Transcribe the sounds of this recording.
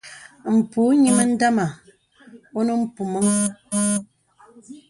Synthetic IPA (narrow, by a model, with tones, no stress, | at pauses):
m̩˨pu˨˦ɲi˦mə˦n̩˦da˦ma˨ | o˦nə˦m̩˦pu˨mə˦ŋ˦ɡu˦